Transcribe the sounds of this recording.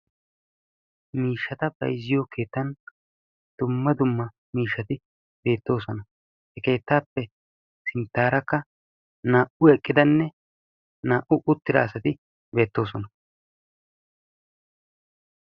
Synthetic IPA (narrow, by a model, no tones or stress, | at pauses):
miːʃːɐt̪ɐbɐ̰jzːɪjoːke̞ːt̪ːɐn | d̪̥ʊmːɐd̪ʊmːɐ | miːʃːɐt̪ɪ | be̞ːt̪ːo̞ːsɔnɐ | hɛke̞ːt̪ːaːpːɛ | sɪnt̪ːaːɾɐkːɐ | naːʔʊɛkʼːɪd̪ɐnːɛ | naːʔʊʔʊt̪ːɪd̪a̰ːsɐt̪ɪ | be̞ːt̪ːo̞ːs̬ɔnɐ